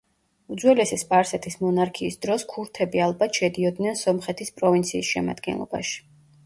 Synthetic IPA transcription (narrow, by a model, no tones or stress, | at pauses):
ud̪zwɛlɛsispʼaɾsɛt̪ʰismɔnaɾkʰiːsd̪ɾɔskʰuɾt̪ʰɛbialˠbat̪ʰʃɛd̪iɔd̪nɛnsɔmχɛt̪ʰispʼɾɔvint̪sʰiːsʃɛma̰d̪̥ɡɛ̰nlˠɔ̰ba̰ʃi̥